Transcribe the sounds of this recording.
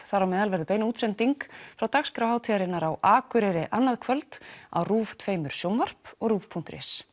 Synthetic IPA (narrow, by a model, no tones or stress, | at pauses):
θaɾawmɛðalvɛɾðʏpeːjnuːt̪sɛnt̪iŋkfɾawt̪axskɾawhaːwt̪ʰiɾɪnaɾawʔaːkʏɾɛɾɪʔanːaðkʰvœlt̪a̰wruːvt̪ʰveːjmʏɾ̥sjowmvar̥pɔɣruːvpʰuŋ̥t̪ɾɛ̰ːs